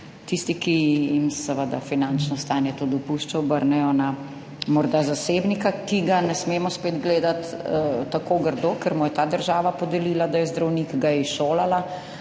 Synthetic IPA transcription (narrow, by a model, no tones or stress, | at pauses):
t̪ist̪ikijimsɛʋəd̪a̰finant͡ʃnɔst̪aːnjɛt̪od̪ɔpuːʃt͡ʃaɔbəɾnɛjɔna | mɔɾd̪azaseːbnikakiɡanɛsmeːmɔspeːd̪ɡleːd̪at̪ːakoːɡəɾd̪okəɾmujɛt̪aːd̪əɾʒaːʋapɔd̪ɛliːlad̪ajɛzd̪ɾawnikɡajɛiʃoːlala